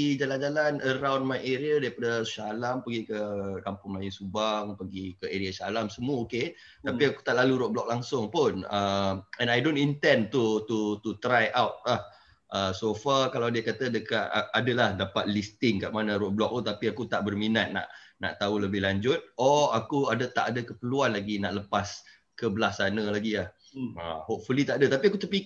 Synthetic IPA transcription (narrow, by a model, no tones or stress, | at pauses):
id͡ʒaland͡ʒalanʔəɾawndmajʔeɾiadaɾipadəsaalampəɡikəkampʊŋlajɪnsubaŋpəɡikəeɾiasaalamsəmuaoke | t̪apiaku̥t̪aʔlaluɾɔʔ̚blɔk̚laŋsʊŋpʊnəɛ̃najdonint̪ɛnt̪ut̪ut̪ut̪ɾajʔawt̪̚lah | ʔəsofakalawdiakat̪ədəkaʔadəlahdapat̪̚list̪ɪŋkaʔmanaɾɔʔ̚blɔk̚t̪ut̪apiakut̪aʔbərminat̪̚na̰ʔna̰ʔt̪auləbɪhɦlaɲd͡ʒʊt̪̚ɔakuadat̪a̰ʔadakəpəluanlaɡinaʔləpas | kəbəlahsanəlaɡiah | əhoʔ̚fulit̪aʔadat̪apiakut̪ərpi